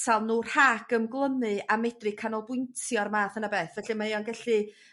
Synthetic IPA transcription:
salˠnuːr̥haːɡəmɡlˠənɨamɛdrɨkʰanɔlˠbʊɨntʰjɔrmaːθənabeːθvɛɬɨmaiɔnɡɛɬɨ

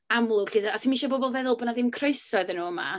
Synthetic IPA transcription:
amlˠʊɬɪdaatʰimiʃɔbɔbɔlˠvɛðʊlˠbɔnaðɪmkʰreɨsɔɨðənuːəma̰

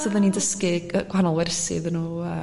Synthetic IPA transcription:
səðənːindəskɨəɡ̥wanɔlˠwɛrsɨ̰ðənuːə

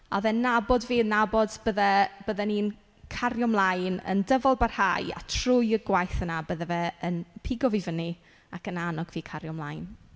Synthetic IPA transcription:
avɛnabɔdviːnabɔdb̥əðɛb̥əðɛnin | kʰarjɔmlˠajnə̰ndəvɔlˠbarha̰ja̰tʰrʊjəɡwajθənabəðɛvɛənpʰɪɡɔvivəni | akənanɔɡviːkʰaɾjɔmlˠajn

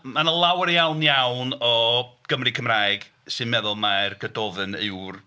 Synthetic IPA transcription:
manəlˠawɾjawnjawnɔɡ̥əmrɨkʰəmraːɨɡ̥ | sɨnmɛðʊlˠmarɡ̥ədɔvɨnɨwr

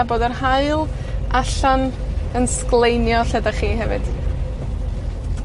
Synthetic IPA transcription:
aboːdərhaɨlˠ | aɬan | ənsklˠejnjɔɬɛdaχiːɦɛvɨ̰d̥

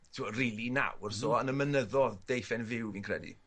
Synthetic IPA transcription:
tʰɪwɔriːlˠina̰wrsoːənəmənəðɔðd̥ejfɛnvɪwvinkʰrɛ̰dḭ

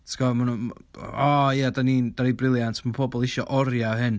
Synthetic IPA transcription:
tʰɡ̥ɔman̰ | ɔjadaniːnd̥aɾibrɪlˠjantʰmapʰɔbɔlˠɪʃɔʔɔɾjaɦɨn

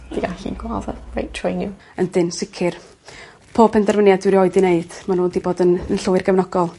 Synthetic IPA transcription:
d̥iɡaɬḭɡwaðəwḛjtʰɹ̥ejnju | əndɪnsɪkʰɪr | pʰoːpʰɛndɛrvənjadɪɾjɔɨdɪneɨd̥manuːdiboːdənənɬʊɨrɡəvnɔɡɔlˠ

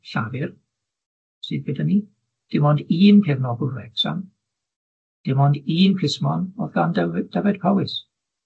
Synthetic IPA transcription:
ɬavɪr | sɨdbedəni | d̥ɪmɔndiːnkʰɛvnɔɡʊlˠrɛksa̰m | d̥ɪmɔndiːnkʰɪsmɔnɔðɡandd̥avɛd̚pʰawɪs

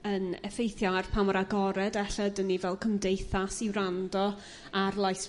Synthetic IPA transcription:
ənɛfejθjarpʰamɔɾaɡɔɾɛdɛɬɛdənːivɛlˠkʰəmdejθasiwrandɔ | arlˠajs

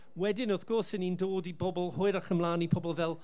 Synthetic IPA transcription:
wɛdɪnɔθɡ̥ɔsənindoːdibɔbɔl̩ˠhʊɨɾaχəmlˠaːnipʰɔbɔlˠvɛlˠ

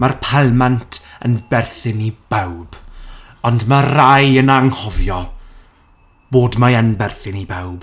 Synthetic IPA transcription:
marpʰɛlmantʰənbɛrθɨnib̥awb̥ | ɔndmarajənaŋhɔvjɔ | b̥oːdmaənbɛrθɨnibawb̥

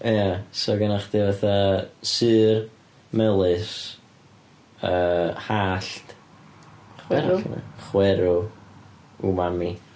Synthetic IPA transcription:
jasɔɡənaχd̥ivaθasɨːr | mɛlˠɨs | əːhaːɬt | χwɛəna̰χwɛɾʊ | umami

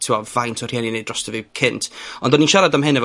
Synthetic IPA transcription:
tʰɪɔvajntʰɔr̥hjɛninejdrɔstɛvɨwkʰɪntʰɔndɔninʃaɾadamɦɨnɛvɔ

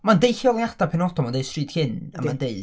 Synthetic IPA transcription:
mandejɬjɔlˠjad̥apʰɛnɔdɔmandejstriːd̥hɪna̰mandeɨ

